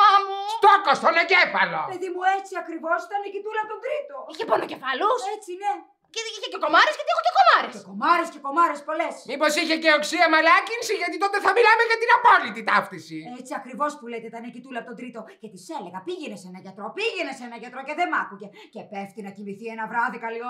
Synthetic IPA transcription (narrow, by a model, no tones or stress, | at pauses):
ɐmust̪okost̪onecefɐlo̞pe̞ðimuet͡siɐkɾivo̞sit̪ɐnecit̪ulɐpot̪ond̪ɾit̪o̞içeponoce̞fɐluset͡sine | ceiçeceko̞mɐɾescɐt̪iexoceko̞mɐɾecesko̞mɐɾesce̞ko̞mɐɾespo̞lesmipo̞siçeceoksiɐmɐlɐcinsiʝɐt̪it̪ot̪eθɐmilameʝɐt̪inɐpolit̪it̪ɐft̪isiet͡siɐkɾivo̞spulet̪it̪ɐnecit̪ulɐpot̪od̪ɾit̪o̞cet̪ise̞le̞ɣɐpiʝenesenɐʝɐt̪ɾopiʝenesenɐʝɐt̪ɾoce̞ðemɐkuce | cepeft̪inɐcimiθienɐvɾɐðikɐlio